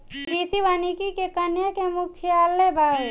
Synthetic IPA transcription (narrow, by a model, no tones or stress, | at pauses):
ɾiːsiʋanikikekɐnjəkemʊkʰɪjaːlːebʱaːe